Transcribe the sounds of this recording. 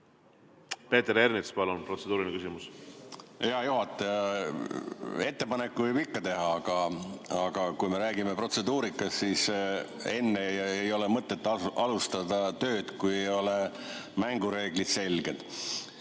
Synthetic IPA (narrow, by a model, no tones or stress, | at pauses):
pe̞ːt̪eɾernikspɑlunpro̞t̪se̞d̪uːɾinikysimus | eɑjuɦɑt̪ːˑejɑ | e̞t̪ːe̞pɑnekːuvɯbikːɑt̪e̞ɦɑɑɡ̥ɑɑɡ̥ɑkujme̞ɾæːɡime̞pro̞t̪se̞d̪uːɾikːˑɑssis | e̞nːejejo̞lemɤt̪ːˑe̞t̪ːˑɑlust̪ɑd̪ɑt̪ø̞ːd̪̥kujejjo̞le̞ | mæŋɡuɾe̞ːɡ̥lid̪̥se̞lɡe̞d̪̥